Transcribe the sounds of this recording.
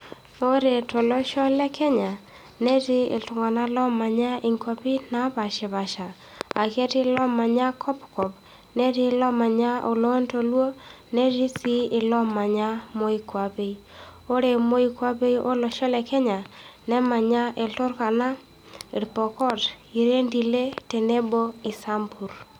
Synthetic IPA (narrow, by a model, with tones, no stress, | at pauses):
o˦ɾe˨to˨lo˦ʃɔ˦lɛ˦kʰɛ˦ɲa˨ | ne˦ti˦ḛ˨tu˨ŋɡa˨na˦lɔ˦ma˨ɲa˦i˦ŋkwa˦pi˦na˦βa˨ʃe˨βa˨ʃa˨ | a̰˨ke˦ti˦lɔ˦ma˨ɲa˦kʰɔ˦pkɔ˨p | ne˦ti˦lɔ˦ma˨ɲa˦o˨lo˦nto˨lwo˦ | ne˦ɾi˦si˦ɪ˨lɔ˦ma˨ɲa˦mo˦i˦kwa˨pe˦i˦ | o˦ɾe˨mo˦i˦kwa˦pe˦i˦ʔo˦lo˨ʃɔ˦lɛ˨kɛ˦ɲa˨nɛ˦ma˨ɲa˦ʔe˨ltʊ˦ɾka˨na˦ | i˨ɾpɔ˨kɔ˦t | i˨ɾe˦ndi˨le˦te˨ne˦bo˦i˨sa˦mpu˨ɾ